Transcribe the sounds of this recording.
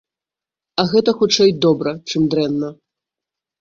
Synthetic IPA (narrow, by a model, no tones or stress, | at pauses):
ɐɣɛt̪ɐxut͡ʂɛjd̪ɔbɾɐt͡ʂɨmd̪ɾɛnːɐ